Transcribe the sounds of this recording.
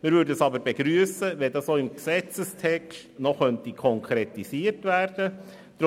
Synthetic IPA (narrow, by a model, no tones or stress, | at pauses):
mɪːɾvʏɾdəəsɑbəɾb̥eɡɾyːəsəʋɛdɑsoːɪmksɛt͡səst̪ʰɛkʃtnɔχœntikʰɔŋkʰɾet̪isiːəɾtʋæːɾd̥ə | d̥̪